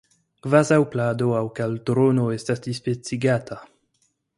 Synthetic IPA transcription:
ɡvazawpladoawkaltɾonoe̞stasdispet͡siɡatʰa

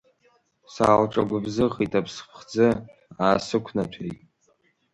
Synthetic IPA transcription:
sa̰ːlʈ͡ʂʼa̰ɡʷʊbzɨʁitʰʼapʰspʰχd͡zɨ | aːsɨkʷʰnat͡ɕʷʰejtʼ

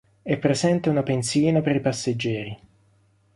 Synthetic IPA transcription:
ɛpːɾezɛnt̪aunapensiːnapeɾipasːed͡ʒːɛːɾi

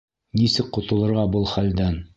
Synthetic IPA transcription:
nisɘk̚qŏt̪ɤ̆lˠɤ̆ɾʁɑbɤlˠχæld̪æn

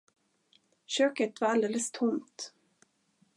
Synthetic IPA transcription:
ɕøːkət̪vaɾald̪eːləst̪ʰʊmt̪

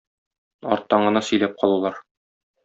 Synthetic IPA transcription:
ɒ̰ɾt̪ːɑɴɢɤ̆nɑsɵ̆jlæp̚qʰɒlˠulˠɑɾ

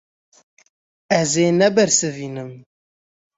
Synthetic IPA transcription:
ɛzeːnɛbɛɾsɨviːnɨm

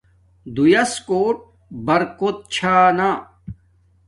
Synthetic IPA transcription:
d̪ujɐskoːʈ̚ | bɐɾkot̪̚t͡ɕʰaːna

